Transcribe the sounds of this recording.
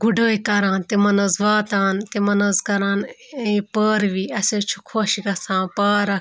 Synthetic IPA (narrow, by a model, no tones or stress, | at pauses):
ɡuɖoːikɐɾãːnt̪emɐnɐzʋaːt̪aːnt̪emɐnɐzkɐɾãːn | ẽpəːɾʋiːɐseːt͡ʃʰu̥kʰoːʃiɡɐsãːpaːɾɐ